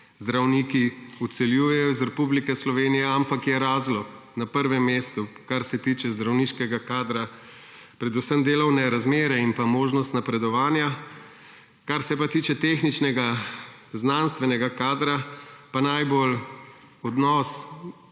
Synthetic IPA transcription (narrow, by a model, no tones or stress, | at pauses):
zd̪ɾawnikiut̪sɛljuːjɛjɔzɾɛpublikɛslɔʋeːnijɛampakjɛɾaːzlɔknapəɾʋɛmːeːst̪u | kaɾsɛt̪iːt͡ʃɛzd̪ɾawniːʃkɛɡakaːd̪ɾa | pɾɛd̪usəmd̪eːlɔwnɛɾazmeːɾɛinpamoːʒnɔst̪napɾɛd̪ɔʋaːnja | kaɾsɛpat̪iːt͡ʃɛt̪exnit͡ʃnɛɡa | znanst̪ʋɛnɛɡakaːd̪ɾapanajbol | ɔd̪nɔs